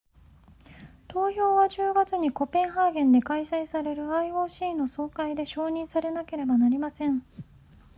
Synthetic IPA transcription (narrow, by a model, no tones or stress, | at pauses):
t̪o̞ːço̞ːβad͡ʑɨːɡat͡sɨɲ̟iko̞pẽ̞ɰ̃ɦaːɡẽ̞nd̪e̞kaisaisaɾe̞ɾɯ̟aio̞ːɕiːno̞so̞ːkaid̪e̞ɕo̞ːɲ̟ĩɰ̃saɾe̞nake̞ɾe̞banaɾʲimasẽ̞ɴ